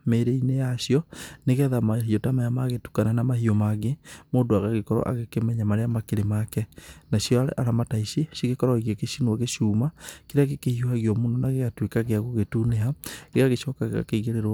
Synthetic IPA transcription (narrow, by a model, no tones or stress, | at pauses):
meɾeinejaʃiɔneɣɛðamaɦiotamajamaɣetu̥kananamaɦiomaɣemoːndoaɣaɣekɔɾɔ̰ʔa̰ɣekemɛɲamaɾeamakeɾemakɛnaʃjɔaɾɛ̰ʔaɾamataiʃeʃiɣekɔɾɔiɣekeʃinuaɣeʃuːmakiɾeaɣekehiohaɣjɔmunɔnaɣeɣatwekaɣeaɣoɣetuneɦaɣeɣaɣeʃɔkaɣeɣa̰keiɣeɾeɾ